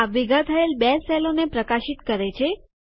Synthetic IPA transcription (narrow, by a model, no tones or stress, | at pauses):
aʋiɡʱat̪ʰəelbɛsɛlonepɾəkaʃit̪kəɾet͡ʃʰe